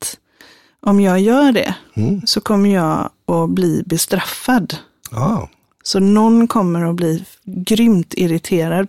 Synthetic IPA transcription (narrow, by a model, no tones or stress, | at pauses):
t̪ | ʔɔmjɑːɡjœːɖɛ̰sɔkʰɔmːəjɑːɡ | ɔbliːbɛst̪ɾafːad̪ | sɔnɔnːkʰɔmːəɾɔbliː | ɡɾʏmt̪ʰɪɾɪt̪ʰeːɾad̪